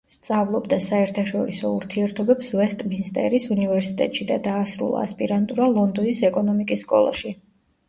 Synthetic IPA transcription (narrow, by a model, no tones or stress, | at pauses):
st̪sʼavlˠɔbd̪asaɛɾt̪ʰaʃɔɾisɔuɾt̪ʰiɛɾt̪ʰɔbɛpsvɛst̪ʼminst̪ʼɛ̰ɾisunivɛɾsit̪ʼɛ̰t̪ʼʃid̪ad̪aːsɾṵlˠa̰ːspʼiɾant̪ʼuɾalˠɔnd̪ɔnisɛkʼɔnɔmikʼisːkʼɔ̰lˠa̰ʃi